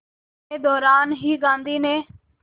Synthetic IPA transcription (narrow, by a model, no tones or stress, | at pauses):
eːd̪ɔːɾaːnɦiːɡãːnd̪iːneː